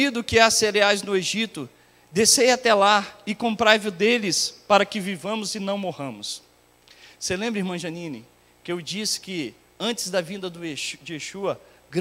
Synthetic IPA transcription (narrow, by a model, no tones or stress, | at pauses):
id̪ʊkɪaseɾeajznʊeʒit̪ʊ | d̪esejat̪ɛlaɪkõmpɾajvʊd̪elɪspaɾɐkɪvivɐ̃mʊzɪnɐ̃w̃mohɐ̃mʊs | selẽmbɾihmɐ̃ʒɐ̃nĩnɪ | kɪewd͡ʒisɪ̥kɪ | ɐ̃nt͡ʃɪ̥zd̪ɐvĩnd̪ɐd̪ʊd͡ʒɪeʃuɐ | ɡ